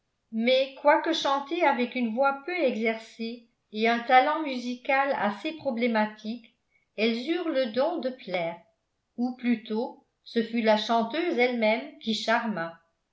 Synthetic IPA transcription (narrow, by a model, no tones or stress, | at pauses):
mɛkwakəʃɑ̃t̪eavɛkynvwapøɛɡzɛʁseː | ɛ̃t̪alɑ̃myzikala̰sepχɔblemat̪ʰik | ɛlzyːʁləd̪ɔ̃d̪əplɛːʁ | uplyt̪o | səfylaʃɑ̃t̪øːzɛlmɛmkʲiʃaʁma